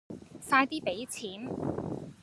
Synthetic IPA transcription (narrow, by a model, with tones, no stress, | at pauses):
saː˧jt̪iː˥pe˨˥jt͡sʰiː˨˥n